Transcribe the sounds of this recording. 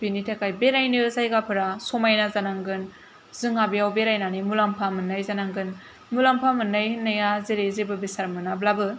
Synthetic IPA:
binitʰakʰajbeɾajnɯsajɡapʰɯɾasɔmajnazanaŋɡɯn | zɯŋabijawbeɾajnanimulampʰamɯnːajzanaŋɡɯn | mulampʰamɯnːajhɯnːajazeɾezebɯbisaɾmɯnablabɯ

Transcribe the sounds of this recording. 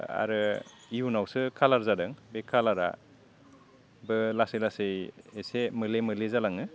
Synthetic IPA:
a̰ɾɯiunawsɯkʰalaɾzadɯŋbekʰalaɾa̰ | bɯlasejlasɯjesemɯlemɯlezalaŋɯ

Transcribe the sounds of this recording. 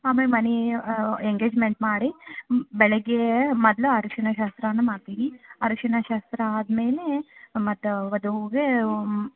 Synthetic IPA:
aːmeːlmɐni | eŋɡeːd͡ʒmeɳʈmaːɽibɛɭeɡemɔd̪luaɾuʂɐnɐʃaːst̪ɾɐnːumaːɽt̪iːʋiɐɾuʂɐnɐʃaːst̪ɾɐaːd̪meːlemɐt̪ːuʋɐd̪uɦuːɡe

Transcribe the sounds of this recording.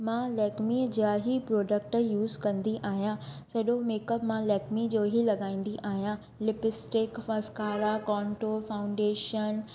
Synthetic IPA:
mãːlɛːkmid͡ʑaːɦipɾɔːɖək̚ʈjuːzkɐ̃nd̪iʔaːɦijãsɐɗomeːkəpmãlɛːkmid͡ʑoːɦilɐɠaːĩːnd̪iʔaːɦijã | lɪpɪsʈɪkfɐskaːɾakɔ̃ːɳʈofaːʊ̃ɳɖeːʃən

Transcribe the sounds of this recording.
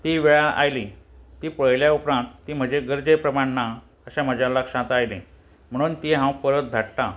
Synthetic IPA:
t̪iːʋeɭaʔa̰jlit̪iːpəɭljaupɾãnt̪ːiːm̤əd͡ʑeɡəɾd͡ʑepɾəmaɳna | əɕam̤əd͡ʑalːakɕãt̪ajle | m̤əɽ̃uːnt̪iɦãwpəɾət̪̚d̪ʱaʈla

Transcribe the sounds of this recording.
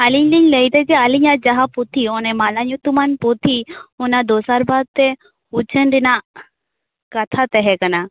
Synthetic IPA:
aliɲliɲləjd̪ɛd͡ʒɛaliɲad͡ʒaɦaput̪ʰiɔnɛmalaɲut̪umanpot̪ʰiunad̪ɔsaɾbad̪̚t̪ɛ | ut͡ʃʰənɖina | kɐt̪ʰat̪ɛɦɛkana

